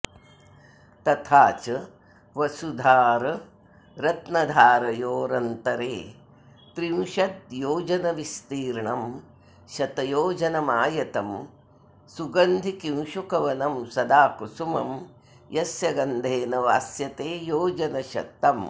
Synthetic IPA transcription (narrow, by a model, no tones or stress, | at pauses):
t̪ɐt̪ʰaːt͡ʃɐ | ʋɐsud̪ʱaːɾ | ɾɐt̪nɐd̪ʱaːɾɐjoːɾɐnt̪ɐɾeː | t̪ɾiwʃɐt̪̚joːd͡ʒɐnɐʋist̪iːɾɳɐm | ʃɐt̪ɐjoːd͡ʒɐnɐmaːjɐt̪ɐm | suɡɐnd̪ʱikĩw̃ʃukɐʋɐnɐmsɐd̪aːkusumɐ̰m | jɐsjɐɡɐnd̪ʱeːnɐʋaːsjɐt̪eːjoːd͡ʒɐnɐʃɐ̰t̪ːɐm